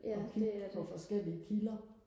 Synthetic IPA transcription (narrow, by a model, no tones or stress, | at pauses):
d̥eæɐpʰɒ̽fɒ̽sɡ̥el̰iəkʰilɐ